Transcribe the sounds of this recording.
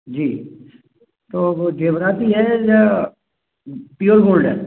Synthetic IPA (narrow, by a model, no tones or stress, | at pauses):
d͡ʒiː | t̪oːod͡ʒeːʋɾaːt̪iɦɛja | pijolboːlɖɛ̰